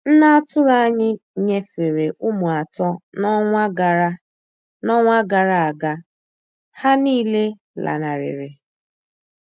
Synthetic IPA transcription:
n̩˦na˦a˦tʊ˦ɾa˦ɲɪ˦ɲe˦fe˨ɾe˨ʔʊ˦mʊ˨a˨tɔ˦nɔ˦ŋʷa˦ɡa˨ɾa˦ | nɔ˦ŋʷa˦ɡa˨ɾa˨a˨ɡa˦ | ha˦niː˦le˦ | la̰˨na˨ɾɪ̰˨ɾɪ˨

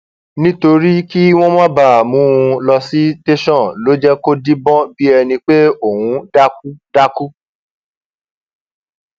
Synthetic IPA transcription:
nĩ˦to˧ɾi˦ki˦w̃ɔ̃˦mɔ̃˦ba˨mũ˨˦˧lɔ˧si˦te˦ʃɔ̃˦˨lo˨˦d͡ʒɛ˦ko˦di˦bɔ̃˦bi˦ɛ˧nĩ˧k͡pe˦o˦˨hũ˨˧˦da˦k̚u˦da˦ku˦

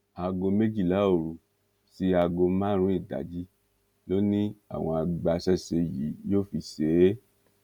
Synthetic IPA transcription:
a˨˧ɡo˧me˦d͡ʒi˦˨la˨˦o˦˨ɾu˨ | si˧a˧ɡo˧mãː˦ɾ̃ũ˦i˦˨ɡa̰˨˦d͡ʒi˦ | lo˦nĩ˦a̰˦˨w̃ɔ̃˧a˧ɡ͡ba˧sɛ˦se˧jḭ˨˦joː˦˨fi˧se˨˦

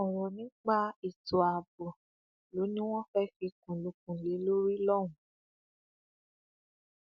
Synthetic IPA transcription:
ɔ˨ɾɔ˨nĩ˨˦k͡pa˦i˦˨tɔ˨a˨bɔ˨ | lo˨˦nĩ˦w̃ɔ̃˦fɛ˦ki˧kũ˨lo˧˦k̚ũ˨le˨˦lo˦ɾi˦lɔ˦˨w̃ũ˨˦˨

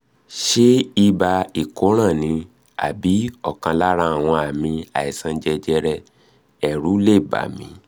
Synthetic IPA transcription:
ʃe˦i˧ba˧i˨ko˨˦ɾ̃ã˦˨nĩ˨˧ | a̰˨bi˨˦ɔ˦˨kã˧la˦ɾa˧˦a˨w̃ɔ̃˧a˨mĩ˧a˨i˨sã˧˦d͡ʒɛ˧d͡ʒɛ˧ɾɛ˧˨ | ɛ˨ɾu˨˦le˦˨ba̰˨˦mĩ˧˦

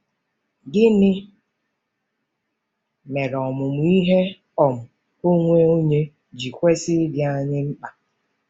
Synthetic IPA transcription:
ɡɪ˦nɪ˦ | me˨ɾɔ˨mʊ˨mʊ˨˦i˦ɦe˦ | ɔ˨mʊ˨ | o˦ŋʷe˦o˦ɲe˦ | d͡ʒi˨kʷe˦sɪ˦dɪ˨˦a˦ɲɪ˦m̩˦k͡pa˨

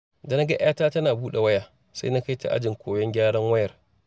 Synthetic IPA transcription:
da˨na˦ɡɐ˦ʔj̰aː˦taː˦tɐ˦naː˨buː˦ɗe˨wɐ˦ja˨ | sa̰˦jna˦ka˦jta̰˨ʔa̰˦d͡ʒɪ˨ŋkʰʷoː˨jɔ˦ŋɡʲaː˦ɽɐ˦ŋwɐ˦jɐ˨r

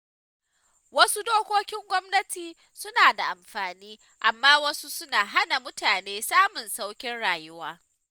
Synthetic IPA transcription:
wɐ˦su˦doː˦kʷoː˦kʲɪ˦ŋɡʷɔ˦mnɐ˦tiː˨ | sʊ˦naː˨da˨ʔa˨mɸaː˨niː˦ | ʔa˨mːaː˦wɐ˦su˦sʊ˦naː˨ɦa˦na˨mʊ˦taː˨neː˦saː˦mʊ˨nsa˦wkʲɪ˦nɽaː˨jʊ˦waː˦

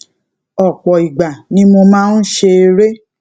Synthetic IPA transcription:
ɔ˨k͡pɔ˨i˨ɡ͡ba˨nĩ˨˦mo˧mãː˦n̩˦ʃe˧ɾe˦

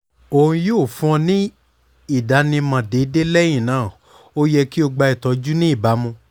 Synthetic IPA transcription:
o˧˨ũ˧joː˦˨fũ˦ɔ̃˧nĩ˦ | i˦˨da˨˦nĩ˧mã˨de˨˦de˦lɛ˦j̃ĩ˦˨nãː˨˦˨ | o˦jɛ˧ki˦o˧ɡ͡ba˧i˨tɔ˨˧d͡ʒu˦nĩ˦i˦˨ba˨˦mũ˧

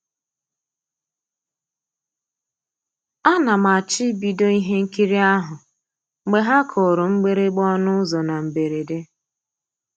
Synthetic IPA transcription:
a˦na˨m˨a˨t͡ʃi˦bi˨do˦i˦ɦe˦ŋ̩˦ki˦ɾi˦a˦ɦʊ˨ | ɡ͡be˦ɦa˦kʰo˨ɾo˨ŋ͡m̩˦ɡ͡be˦ɾe˦ɡ͡bɔ˦nʊ˦zɔ˨na˨m̩˨be˨ɾe˨de˦

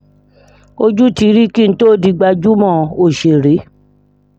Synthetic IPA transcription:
o˧d͡ʒu˦ti˧˦ɾi˦ki˦n̩˦to˦˨di˧ɡ͡ba˧d͡ʒu˦mɔ̃˦˨o˦˨ʃe˨ɾe˨˦

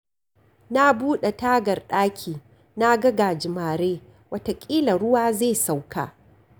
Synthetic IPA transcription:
na˦buː˦ɗe˨taː˦ɡɐ˨rɗaː˦kʲʰiː˨ | na˦ɡɐ˦ɡaː˨d͡ʒɪ˨maː˨ɾeː˦ | wɐ˦ta˨kʲʼiː˦lɐ˨ɽʊ˦waː˦ze˦˨sa˨wka̰ː˨

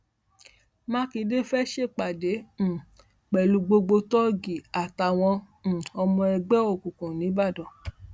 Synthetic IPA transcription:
mã˦ki˧˦de˦fɛ˦ʃe˦˨k͡pa˨dẽ˨˦˨ | k͡pɛ˨lu˧˦ɡ͡bo˧ɡ͡bo˧tɔ˦ɡi˨a˨ta˨w̃ɔ̃˧˨ | ɔ˧mɔ̃˧ɛ˧ɡ͡bɛ˦o˦˨ku˨kũ˨nĩ˨˦ba˦˨dɔ˨

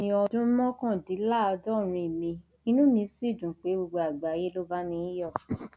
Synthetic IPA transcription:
nĩ˧ɔ˧dũ˦mɔ̃˦kã˦˨di˨˦la˦˨ɔ˧dɔ˦˨ɾ̃ĩ˧i˨mĩ˧ | i˦nũ˦mĩ˧si˦˨dũ˨k͡pe˨˦ɡ͡bo˧ɡ͡bo˧a˨ɡ͡ba˨˦je˦lo˦ba˦nĩ˧˦jɔ˦˨

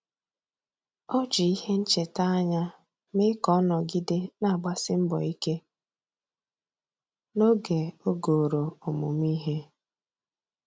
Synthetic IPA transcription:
ɔ˦d͡ʒi˨i˦he˦n̩˦t͡ʃe˨ta˦a˦ɲa˦ | mɪ˦kɔ˦nɔ˨ɡɪ˦de˦na˦˨ɡ͡ba˦sɪ˦m̩˦bɔ̰˨i˦ke˦ | no˦ɡe˨o˦ɡo˨ɾo˨ɔ˨mʊ̰˨m˦i˦ɦe˦

